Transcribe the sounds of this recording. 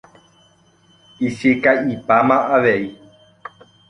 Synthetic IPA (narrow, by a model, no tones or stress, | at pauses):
isekaʔipamãʔaʋei